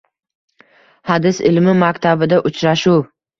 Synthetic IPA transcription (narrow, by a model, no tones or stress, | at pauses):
had̪ɪsɪlmɪmakʲt̪ʰabɪd̪aʔʊt͡ʃʰɾaʃuw